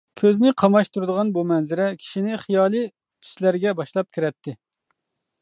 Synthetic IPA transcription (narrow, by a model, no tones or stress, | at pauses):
kʲʰøznɪqʰɑmɑʃt̪ʰuɾɨd̪əʁɑnbumɛnzɪɾɛkʲʰi̥ʃinɪχijɑːlˠɨ | t̪ʰy̥slæɾɡʲɛbɑʃlˠɑp̚kʲʰiɾɛt̪ʰːɪ